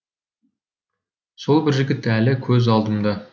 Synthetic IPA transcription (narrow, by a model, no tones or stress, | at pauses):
so̞lˠbɪɾʒɪɡʲɪt̪ːælɪkʲʰɵzɑlˠd̪əmd̪ɑ